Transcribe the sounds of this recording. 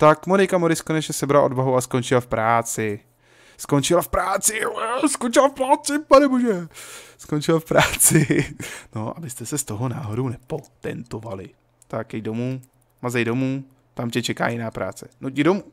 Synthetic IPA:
t̪akmonɪkamoɾɪskonɛt͡ʃɲɛsɛbɾalaʔo̞dvaɦowasko̞nt͡ʃɪlafpɾaːt͡sɪ | skont͡ʃɪlafpɾaːt͡sɪɛskont͡ʃɪlafpɾaːt͡sɪpanɛboʒɛskont͡ʃɪlafpɾaːt͡sɪno̞ʔa̰bɪst̪ɛsɛst̪o̞ɦona̰ːɦodownɛpot̪ɛ̰nt̪ovalɪ | t̪akɛjdo̞muː | mazɛjdomuː | t̪amcɛt͡ʃɛka̰ːjɪnaːpɾa̰ːt͡sɛ̥nocɪdomuː

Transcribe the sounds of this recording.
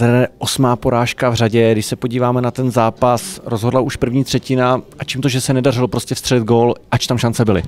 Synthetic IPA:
ɛdɛʔo̞smaːpo̞ɾaːʃkavr̝aɟɛɡdɪʃsɛpo̞ɟiːvaːmɛnat̪ɛnzaːpasɾozɦo̞dlauʃpr̩vɲiːt̪r̝̥ɛcɪnaʔat͡ʃiːmt̪oʒɛsɛnɛdarɪlopɾo̞scɛfst̪r̥ɛlɪd̪̚ɡoːlʔat͡ʃt̪amʃant͡sɛbɪlɪ

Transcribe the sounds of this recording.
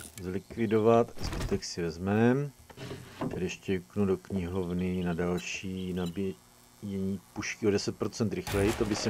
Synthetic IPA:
zlɪkvɪdo̞vat̪zbɪt̪ɛksɪvɛzmɛm | t̪ɛɾɛʃcɛknudokɲɪɦo̞vnɪnadalʃiːnabɪ | jɛɲiːpuʃkɪʔo̞dɛsɛt̪̚pɾo̞t͡sɛnt̪ɾɪxlɛjɪt̪obɪsɛ

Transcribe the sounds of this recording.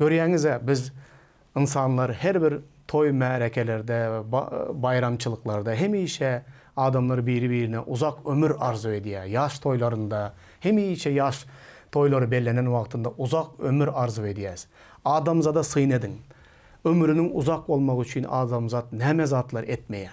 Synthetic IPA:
kʲʰøɾjæŋɪzæbɪz | insɑnlˠɑɾhæɾbɪɾt̪ʰo̞jmæɾekʲʰeleɾd̪ɛb̰bɑjɾɑmt͡ʃʰɨlˠəqlˠɑɾd̪ɑɦemijʃɛ | ɑːd̪ɑmlˠɑɾbijɾɪbiɾɪnɛʔʊzɑqømʏɾɑɾzuwed̪ijɛjɑʃt̪ʰo̞jlˠɑɾɯnd̪ɑ | hemijʃɛjɑʃt̪ʰojlˠɑɾbelːenænwɑqt̪ʰɨnd̪ɑʔʊzɑqømɪɾɑɾzued̪ijɛz | ɑːd̪ɑmzɑd̪ɑsɨjne̞d̪ɪŋ | ɵmɾɪnɪŋʊzɑq̚bolˠmɑʁʏt͡ʃʰɪnɑ̰d̪ɑmzɑt̪næmezɑt̪lˠɑɾʔet̪̚mejɛ

